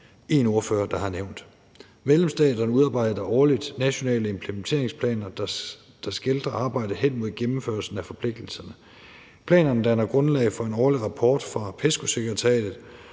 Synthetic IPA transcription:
e̝no̝ɐføːɐd̥ɑ̈hɑ̈neʊ̰nd̥ | meðˠlemsd̥ɛ̰ːd̥ɐnəuðˠɑ̈ːb̥ɑ̈ɪ̰dɐʔɒːlid̥næɕo̝nɛ̰ːləe̝mpʰlement͡sʰe̝ɐeŋspʰlɛ̰ːnɐ̥ | d̥ɑ̈sɡ̥e̝ld̥ʁɐɑ̈ːb̥ɑ̈ɪ̰d̥əɦen̰mo̝ð̞̰ˠɡ̥emm̩føɐlsn̩æfɒ̽pʰle̝ɡ̥̚d̥l̩sɐnə | pʰlɛ̰ːnɐnəd̥ænɐɡ̥ʁɔ̽nlɛ̰ɪfɒ̽e̝nɒːliʁɑ̈pʰɒːd̥fʁɑ̈pʰesɡ̥ose̝ɡ̥ɐʁit͡sʰɛ̰ːd̥ð̩ˠ

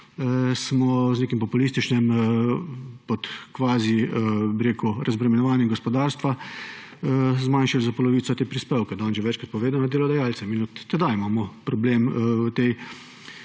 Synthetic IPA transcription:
smɔzneːkimpɔpulist̪it͡ʃnɛm | pɔt̪kʋaːzibiɾeːkuɾʔazbɾɛmɛnɔʋaːnjɛɡɔspɔd̪aːɾst̪ʋa | zmaːnʃalzapɔlɔʋiːt̪sɔt̪eːpɾispewkɛd̪aːnʒɛʋɛt͡ʃkɾat̪̚pɔʋeːd̪anɔd̪elɔd̪ajaːlt̪sɛminɔt̪ːɛd̪aimaːmɔpɾɔbleːmut̪e

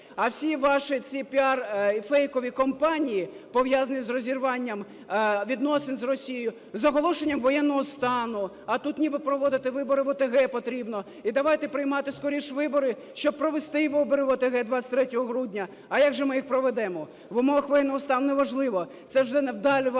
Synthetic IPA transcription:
ɐwsʲiʋɑʃɪt͡sʲipʲiɑrifɛjkɔʋʲikɔmpɑnʲijipɔwʋjazɐnʲizrɔzʲirʋɑnʲːɐm | ʋʲid̪nɔsenzrɔsʲijejʊ | zɔɦɔlˠɔʃenʲːɐmʋɔjɛnːɔɦɔst̪ɑnʊ | ɐt̪ut̪nʲibɪpɾɔʋɔd̪ɪt̪ɪʋɪbɔɾɪʋɔt̪eɦɛpɔt̪ɾʲibnɔ | id̪ɐʋɑjt̪ɛpɾɪjmɑt̪ɪskɔɾʲiʃʋɪbɔɾɪ | ʃt͡ʃɔb̚pɾɔʋest̪ɪʋɪbɔɾɪʋɔt̪eɦɛd̪ʋasʲɪ̥t̪ʲɾɛtʲɔɦɔɦɾudʲnʲɐː | jaɡʒɛmɪjixpɾɔʋɛd̪ɛmɔ | ʋʊmɔɦɐxʋɔjɛnːɔɦɔst̪ɑnʊnɛʋɐʒlˠɪʋɔ | t̪sɛwʒɛnɛwd̪ɑlʲi

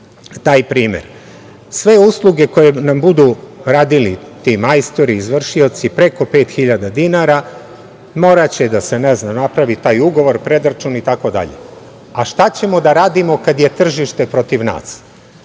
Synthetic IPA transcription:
t̪aːjpɾiːmḛɾ | sʋe̞uslˠuɡe̞ko̞je̞nambud̪uɾaːd̪ilit̪imajst̪oɾiːzʋr̩ʃio̞t̪sipɾe̞ko̞pe̞ːt̪xiʎad̪ad̪inaɾa | moɾat͡ɕed̪ase̞neznanapɾaʋit̪aːjuɡo̞ʋo̞ɾpɾe̞d̪ɾat͡ʃunit̪ako̞d̪a̰ʎḛ | aʃt̪at͡ɕe̞mo̞d̪aɾaːd̪imo̞kad̪je̞t̪r̩ʒiʃt̪e̞pɾo̞t̪iʋna̰s

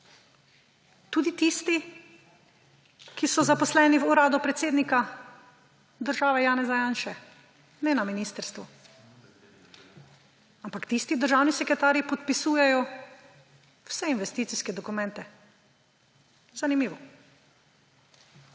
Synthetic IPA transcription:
t̪ud̪it̪ist̪i | kisɔzapɔslɛːniwuɾaːd̪upɾɛt̪seːd̪nika | d̪əɾʒaːʋɛjaːnɛzajaːnʃɛ | nɛnaminiːst̪əɾst̪ʋu | ampakt̪ist̪id̪əɾʒaːwnisɛkɾɛt̪aːɾjipɔt̪pisuːjɛjɔ | wsɛinʋɛst̪iːt̪siskɛd̪ɔkumɛnt̪ɛ | zanimiːʋɔ

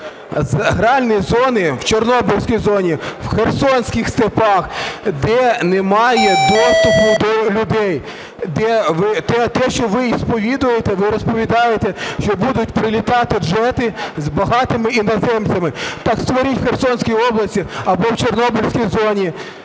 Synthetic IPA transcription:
zɦɾɑlʲnijzɔnɪwt͡ʃernɔbɔlʲsʲkʲijzɔnʲiwxersɔnʲsʲkʲixst̪epɑxd̪ɛnemɑjɛd̪ɔst̪ʊpʊd̪ɔlʲʊd̪ɛj | d̪ɛʋɪt̪ɛt̪ɛʃt͡ʃɔʋɪispɔʋʲid̪ʊjet̪ɛʋɪɾɔspɔʋʲid̪ɑjet̪eʃt͡ʃɔbud̪ʊt̚ʲpɾɪlʲit̪ɑt̪ɪʒɛt̪ɪzbɐɦɑt̪ɪmɪinɐzɛmt͡sʲɐmɪt̪ɑkst̪ʋɔɾʲitʲwxersɔnʲsʲkʲijɔblˠɐsʲtʲiɐbɔwt͡ʃernɔbɔlʲsʲkʲijzɔnʲi

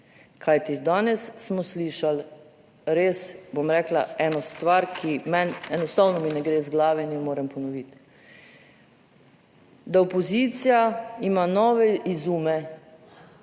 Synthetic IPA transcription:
kʰajt̪id̪aːnɛsːmɔsliːʃal | ɾesbomɾɛːkla̰ɛːnɔst̪ʋaɾkʰimɛnɛnɔst̪awnɔminɛɡɾeːzɡlaːʋɛnjɛmoːɾɛmpɔnɔʋit̪ | d̪aopɔzit̪sijaimanɔʋɛizuːmɛ

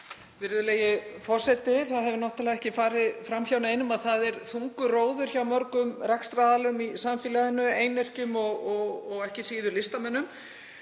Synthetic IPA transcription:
vɪɾðʏleːjɪfɔr̥sɛt̪ɪθaðɦɛvʏɾnɔht̪alɛɣɛhcɪfaːɾɪðfɾamçawnaɪnːʏmaðθaðɛɾθuŋkʏroːwðʏɾ̥çaːwmœɾkʏmrɛkst̪ɾaːðalʏmisamfɪːlaðɪnːʏeːjnɛr̥cʏmɔɣɔɣɔɣɛhcɪsiːðʏlɪst̪amɛnːʏm

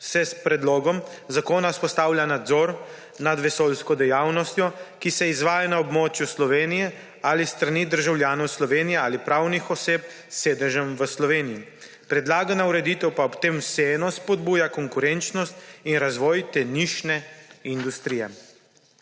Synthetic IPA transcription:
sɛspɾɛd̪loːɡɔm | zakoːnauspɔst̪aːwlʲjanad̪zɔːɾ | nad̪ʋɛsolskɔd̪ɛjawnɔst̪jɔkisɛizʋaːjanaɔbmoːt͡ʃjuslɔʋeːnijɛ | alist̪ɾaniːd̪əɾʒawlʲjaːnɔwslɔʋeːnijɛaːlipɾawnixɔseːp | sːeːd̪əʒɛmʋəslɔʋeːniji | pɾɛd̪laːɡanauɾɛd̪it̪ɛwpaɔpt̪eːmseɛnɔspɔd̪̚buːjakɔŋkuɾɛnt͡ʃnɔst̪inɾazʋɔːjt̪ɛniʃnɛind̪ust̪ɾijɛ

